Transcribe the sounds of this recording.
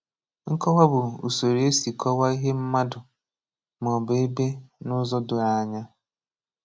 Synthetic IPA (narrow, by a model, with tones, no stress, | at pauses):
ŋ̩˦kɔ˦wa˦bʊ˨ṵ˨so˨ɾi˨˦e˦si˨kɔ˦wa˦i˦ɦe˦m̩˦ma˦dʊ˨ | m˨ɔ˨be˦be˦nʊ˦zɔ˦dʊ˨ɾa˨a˨ɲa˦